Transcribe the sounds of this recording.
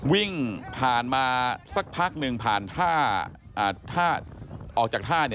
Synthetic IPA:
wi˥˩ŋpʰaː˨˩nmaː˧sa˦˥˩k̚pʰaː˦˥˩k̚nɯ˧ŋpʰaː˨˩nt̪ʰaː˥˩ | ʔaː˨˧˩t̪ʰaː˥˩ʔɔː˨˩k̚t͡ɕaː˨˩t̪ʰaː˥˩ni˥˩

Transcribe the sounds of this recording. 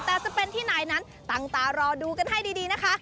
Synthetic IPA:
t̪ɛː˨˩sa˧pe˧nt̪ʰiː˥˩naː˨˩jna˦˥n | t̪a˨˧˩ŋt̪aː˨˩ɾɔː˧duː˧ka˧nha˥˩jdiː˧diː˧na˦˥kʰa˦˥

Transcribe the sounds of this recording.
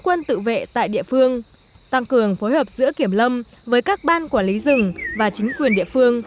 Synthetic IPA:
kwə˧nt̪ɨ̰˧˨vḛ˧˨t̪a̰ː˧˨jɗḭ˧˨əfɨ˧əŋ | t̪a˧ŋkɨ˨˩əŋfo˨˦jhəː˨˩p̚zɨ̰˧˥əki˧˩əmlə˧m | vəː˨˦jkaː˦˥k̚ɓaː˧nkwaː˧˩nli˨˦zɨ˨˩ŋvaː˨˩t͡ɕï˨˦ŋ̟kwi˨˩ənɗḭ˧əfɨ˧əŋ

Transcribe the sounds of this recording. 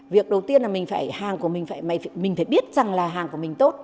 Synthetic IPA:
vi˨˩ək̚ɗə˨˩wt̪i˧ənlaː˨˩mï˨˩ŋ̟faː˧˩jhaː˨˩ŋku˧˩əmï˨˩ŋ̟faː˧˩jma˧˩jmï˨˩ŋ̟faː˧˩jɓi˦˥ət̚za˨˩ŋlaː˨˩ɦaː˨˩ŋku˧˩əmï˨˩ŋ̟t̪o˦˥t̚

